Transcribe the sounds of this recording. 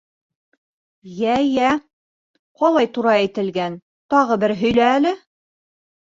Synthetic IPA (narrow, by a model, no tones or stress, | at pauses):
jæjæ | qɒlˠɑjt̪uɾɑæjt̪ɘ̆lɡæn | t̪ɒʁɤbɘɾɦɵ̆jlæːlɘ